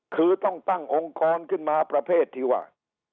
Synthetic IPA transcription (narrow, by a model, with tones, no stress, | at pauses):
kʰɯː˧t̪ɔ˥˩ŋt̪a˥˩ŋʔo˧ŋkɔː˧nkʰɯ˥˩nmaː˧pɾa˧pʰeː˥˩t̪ʰːiː˧wa̰ː˥˩